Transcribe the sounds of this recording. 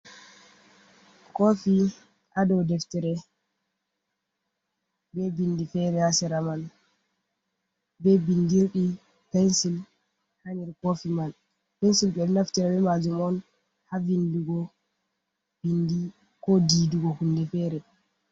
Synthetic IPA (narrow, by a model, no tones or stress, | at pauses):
kofi | ʔadɔwdɛftɛɾɛ | bɛbindifɛɾɛhasɛɾaman | bɛbindiɾɗi | pɛnsil | haɲiɾkofiman | pɛnsilɓɛnaftɛɾɛbɛmad͡ʒumɔn | havinduɡɔ | bindi | kɔdiduɡɔhundɛfɛɾɛ